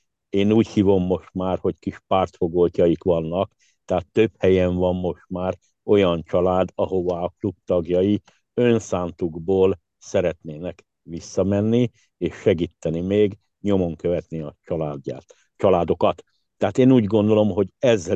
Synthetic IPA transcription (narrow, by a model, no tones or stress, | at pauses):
eːnuːchiːvo̞mːo̞ʃt̪maːrho̞ckiʃpaːrt̪fo̞ɡolcɒjikʋɒnːɒk | t̪ɛɦaːt̪ːø̞phɛjɛɱvɒmːo̞ʃt̪maːr | o̞jɒnt͡ʃɒlaːd̪ɒɦo̞vaːklub̚t̪ɒɡjɒji | ønsaːnt̪uɡboːl | sɛɾɛt̪neːnɛk | ʋisːɒmɛnːi | eːʃːɛɡiːt̪ːɛnimeːɡ | ɲo̞mo̞ŋkø̞vɛt̪niɒt͡ʃɒlaːa̰ːt̪ | t͡ʃɒlaːd̪o̞kɒt̪ː | ɛɦaːt̪eːnuːɟɡo̞nd̪o̞lo̞mɦo̞ɟɛzːɛ